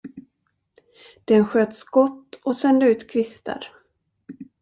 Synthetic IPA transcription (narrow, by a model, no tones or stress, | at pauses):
d̪̥ɛnɧøːt̪skɔt̪ːɔsɛnd̪əʉ̟ːt̪kʰvɪst̪ə̰ɾ